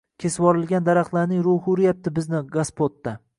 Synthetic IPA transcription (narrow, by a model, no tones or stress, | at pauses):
kʲʰe̞sɪvɒɾɪlˠɡʲand̪aɾaχlˠaɾnɪŋɾʊhʊɾɪjap̚t̪ɪbɪznɪɡaspot̪ːa